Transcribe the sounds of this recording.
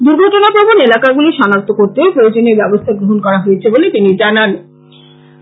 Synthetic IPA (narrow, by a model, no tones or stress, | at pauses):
d̪uɾɡʱɔʈonapɾobʱonelakaɡuliʃɔnak̚t̪okoɾt̪epɾood͡ʑoneɾbɛbost̪ʰaɡɾoɦonkɔɾaɦoet͡ɕʰebolet̪inid͡ʑanan